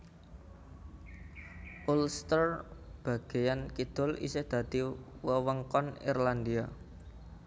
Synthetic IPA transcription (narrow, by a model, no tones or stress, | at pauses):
ʔulst̪ərb̥ä̤ɡ̥e̤jankid̪̥ɔ̤lḭsehd̪̥a̤d̪̥iwəwəŋkɔnḭrland̪ia